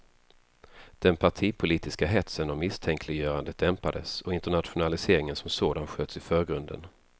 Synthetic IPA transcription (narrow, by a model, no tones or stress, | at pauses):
d̪̥ɛnpʰaʈʰiːpʰʊliːt̪ɪskaɦɛt̪sənɔmːɪst̪ʰɛŋkʰlɪɡjœːɾand̪əd̪ɛmpad̪əsɔɪnt̪əɳat̪ɧʊnalɪseːɾɪŋənsɔmsoːd̪anɧøːt̪sɪfœːɾɡɾɵnd̪ə̰n